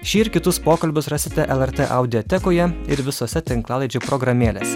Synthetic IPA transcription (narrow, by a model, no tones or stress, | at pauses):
ʃʲiːɪɾkʲɪt̪ʊspoːkɐlʲbʲʊsɾɑːsʲɪt̪ʲɛʔɛlˠɛɾʲt̪ʲeːʔɐʊd̪ʲɪɔt̪ʲɛkoːjɛɪɾʋʲɪsoːsʲɛt̪ʲɪŋklˠɑːlˠɐɪd͡ʒʲopɾɔɡɾɐmʲeːlʲeːsʲɛ